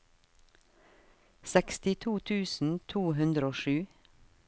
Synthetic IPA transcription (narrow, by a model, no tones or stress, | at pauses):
sɛkst̪ɪt̪ʰuːt̪ʰʉːsn̩t̪ʰuːɦʉnd̪ɾəoːʃʉː